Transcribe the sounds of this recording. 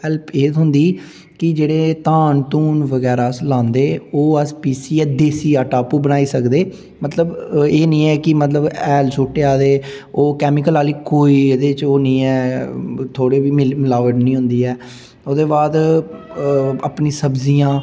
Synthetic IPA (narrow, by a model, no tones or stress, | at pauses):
ɛlpeːɦʊnd̪iː | kɪd͡ʒeːɽeːt̪ãːnt̪uːnʋəɡɛːɾaːslãːnd̪eːoːɛspiːsiːɛːd̪eːsiːaːʈaːpuːbənaːiːsəkd̪eː | mət̪ləbeːnĩːɛːkɪmət̪ləbɛːlsoːʈːeːaːd̪eː | oːkɛːmɪkəlaːliːkoːiːd̪eːt͡ʃoːnĩːɛːt̪ʰoːɽeːʋiːmɪlaːʋəɖnĩːɦʊ̃nd̪iːɛː | oːd̪eːbaːd̪ | əpnĩːsəbziːãː